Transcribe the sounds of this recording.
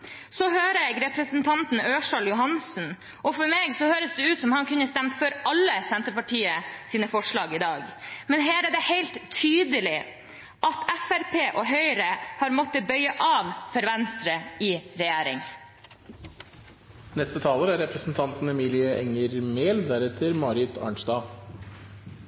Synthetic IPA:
sɔhøːɾəɛɡɾɛpɾəsən̩t̪ʰɑnt̪n̩øːʂɑljʊɦɑnsn̩ | ʔɔfɔɾmeːɡsɔhøːɾəsd̪ɛʉːt̪sɔmhɑnkʉnːəst̪æmt̪fɔɾɑlːəsɛnt̪əpɑʈiːəsiːnəfɔʂɭɑːɡɪd̪ɑːɡmɛnɦæːɾæɖɛheɪlt̪ʰːyːd̪əlɪ | ʔɑt̪ʰæfæɾpʰeːʔɔɦœʏɾəhɑːɾmɔt̪ːəbœʏəʔɑːʋfɔɾʋɛnst̪ɾəɪɾɛjæːɾɪ̰ŋ | nɛst̪ət̪ʰɑːləɾæɾɛpɾəsn̩t̪ʰɑnt̪n̩ɛmiːlɪəʔɛŋəɾmeːld̪æɾɛt̪ʰəɾmɑːɾɪt̪ʰɑ̰ɳsd̪ɑː

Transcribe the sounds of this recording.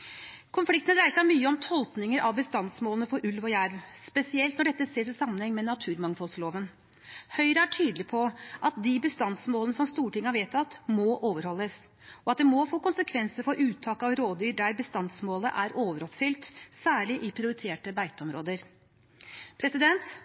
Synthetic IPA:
kʰʊnflɪkt̪nd̪ɾæɪəʂæɪmyːəɔmt̪ʰɔlt̪nɪŋəɾʔɑʋbəst̪ɑnsmoːlənəfɔɾʔʉlʋɔjæɾʋspɛsɪɛlt̪nɔɖɛt̪ːəseːɾɪsɑmːənhɛŋːmɛnɑt̪ʰʉːɾmɑŋfɔlsloːʋən | hœʏɾəæʈʰyːd̪lɪpʰɔʔɑt̪̚d̪ɪbəst̪ɑnsmoːlənəsɔmst̪uːʈɪŋːəɑɾʋeːt̪ɑt̪mɔʔoːʋəɾhɔlːəs | ɔɑt̪̚d̪ɛmɔfoːkʊnsəkʰʋɛnsəɾfɔɾʔʉːt̪ʰːɑːkɑʋɾoːd̪yːɾɖ̪æɾbəst̪ɑnsmoːləʔæɾoːʋəɾɔpfʏlt̪sæːɭɪʔɪpʰɾɪʊɾɪt̪ʰeːʈəbæɪt̪əɔmɾo̰ːd̪əɾ | pʰɾɛsɪd̪ɛnt̪

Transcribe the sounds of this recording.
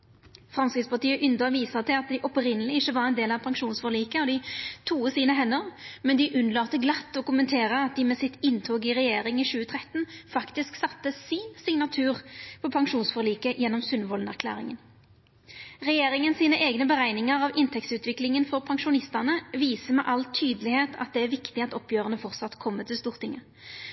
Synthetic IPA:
fʁɑmskʁɪːd̪spɑʁt̪iːəʔʏnd̪əʋiːsət̪ʰɪlɑt̪̚d̪ɪʔɔpʁɪnəlɪɪçəʋɑʁɛnd̪eːlɑʋpʰɑŋʃuːnsfɔʁliːkəɔd̪ɪt̪ʰuːəsiːnəɦɛnːəʁmɛnd̪ɪʔʉnlɑːt̪əɡlɑt̪ːɔkʊmənt̪ʰeːʁəɑt̪̚d̪ɪmɛsɪt̪ɪnt̪ʰoːɡɪʁɛjeːɾɪŋiːɕʉːət̪ʰʁɛt̪ːn̩fɑkt̪ɪsksɑt̪ːəsiːnsɪŋnɑt̪ʰʉːʁpʰɔpʰɑŋʃuːnsfɔʁliːkəjɛnːɔmsʉnʋɔlnæʁkʰlæ̰ːʁɪ̰ŋən | ʁɛjeːɾɪŋənsiːnəʔeːɡnəbəʁæɪnɪŋəʁɑʋɪnt̪ʰɛktsʉːt̪ʋɪklɪŋənfɔʁpʰɑŋʃʊnɪst̪əʁnəʋiːsəmɛʔɑlt̪ʰyːd̪əlɪheːt̪ʰɑ̰t̪̚d̪ɛæɾʋɪkt̪ɪɑt̪ɔpjøːʁənəfɔʁt̪sɑt̪kʰɔmːət̪ɪlst̪uːʁt̪ʰɪŋːə

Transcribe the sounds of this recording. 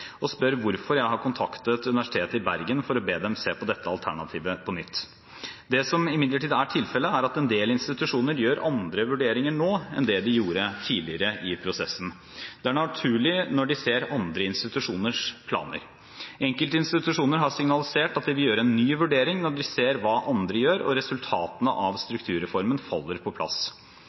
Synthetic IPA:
ɔspœɾʋʊɾfɔɾjæɪɦɑɾkʰʊnt̪ʰɑkt̪ət̪ʉnɪʋæʂɪt̪ʰeːt̪əɪbæɾɡənfɔɾɔbeːd̪ɛmseːpʰɔd̪ɛt̪ːəɑ̰lt̪ʰæ̰ɳɑt̪ʰiːʋəpʰɔnʏt̪ː | d̪ɛsɔmɪmɪd̪ləʈʰiːd̪əæʈʰɪlfɛlːəæɾɑt̪ɛnd̪eːlɪnst̪ɪt̪ʉʂuːnəɾjøːɾʔɑnd̪ɾəʋʉɖeːɾɪŋəɳoːɛ̰nd̪ɛd̪ɪjuːɾət̪ʰiːɭɪəɾəʔɪpʰɾʊsɛ̰sːn̩ | d̪̥ɛæɳɑt̪ʰʉːɭɪnɔɖɪseːɾɑnd̪ɾəɪnst̪ɪt̪ʉʂuːnəʂpʰlɑ̰ːnə̰ɾ | ɛŋkəlt̪əɪnst̪ɪt̪ʉʂuːnəɾɦɑsɪŋnɑlɪseːʈɑt̪̚d̪ɛʋɪjøːɾɛnːyːʋʉɖeːɾɪŋnɔɖɪseːɾʋɑːʔɑnd̪ɾəjøːɾɔ̰ɾɛsʉlt̪ʰɑːt̪ənə̰ʔɑʋst̪ɾʉkt̪ʰʉːɾɛfɔɾmənfɑ̰lːəɾpʰɔpʰlɑ̰s

